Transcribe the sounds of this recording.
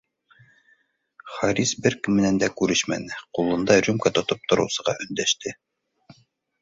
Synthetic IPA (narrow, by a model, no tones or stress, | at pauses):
χɑɾʲisbɘɾkɘmːɘ̆nænd̪ækʉɾɘʃmæ̰nɘqulˠɤ̆nd̪ɑɾʲumkat̪ŏt̪op̚t̪ŏɾɤ̆wsɤ̆ʁɑʔɵ̆nd̪æʃt̪ɘ